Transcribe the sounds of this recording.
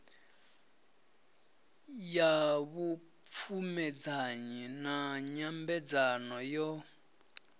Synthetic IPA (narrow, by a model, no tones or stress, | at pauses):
jaβu | p̪fʰumɛd͡zaɲinaɲambɛd͡zanɔjɔ